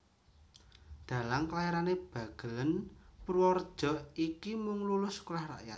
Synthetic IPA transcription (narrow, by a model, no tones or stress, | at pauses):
d̪̥a̤lamklajaɾaneb̥ä̤ɡ̥ə̤lənpərwɔrd̥ʒ̥ɔ̤ʔikimʊŋlulʊskulahra̰ʔja̰t̪̚